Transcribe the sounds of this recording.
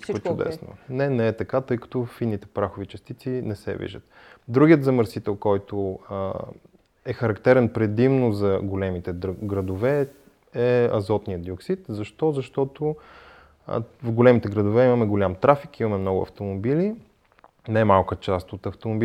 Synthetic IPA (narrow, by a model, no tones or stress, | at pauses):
kt͡ʃʊd̪ɛ̰ssno̰nɛnɛːt̪ɐkat̪ɤjkɐ̥t̪ɔfinːit̪ɛ̥pɾaxʊvit͡ʃɐst̪it̪sinɛsɛ̰vḭʒə̰t̪ | d̪ɾuɡiət̪zɐməɾsit̪ɛlˠkɔjt̪o | ɛxɐɾɐkt̪ɛɾɛnpɾɛd̪imnʊzɐɡolɛmit̪ɛɡɾɐd̪ovɛ | ɛɐ̰zɔt̪nijəd̪ioksit̪zɐʃt̪ɔzɐʃt̪ɔt̪o̰ | vɡolɛmit̪ɛɡɾəd̪ʊvɛimɐmɛɡolʲamt̪ɾafikimɐmɛmnɔɡʊ̰ɐ̰ft̪omobili | namalˠkət͡ʃast̪ot̪ɐft̪omobi